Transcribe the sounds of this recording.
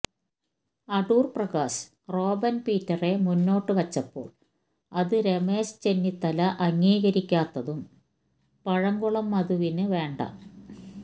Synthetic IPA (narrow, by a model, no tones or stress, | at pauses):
ɐɖuːrprɐɣaːs | ro̞ːbɐnpiːtːɐre̞munːo̞ːʈːɨʋɐt͡ɕːɐpːo̞̰ːɭ | ɐðɨɾe̞me̞ːst͡ɕe̞nːit̪ːɐlɐʔɐŋːiːɣɐɾikʲːaːt̪ːɐðum | pɐɻɐŋɡuɭɐmːɐðuʋinɨʋe̞ːɳɖɐ̰